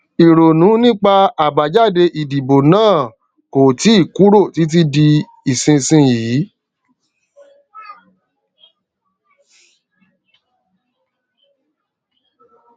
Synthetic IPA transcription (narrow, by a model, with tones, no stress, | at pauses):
i˨ɾo˨nũ˨˦nĩ˦k͡pa˧a˨ba˨d͡ʒa˦˨de˧ʔi˨di˨bo˨nãː˦˨ | ko˨ti˨˦i˦˨ku˨˦ɾo˦˨ti˨˦t̬i˦di˧ | i˨sĩ˧sĩ˧jiː˨˦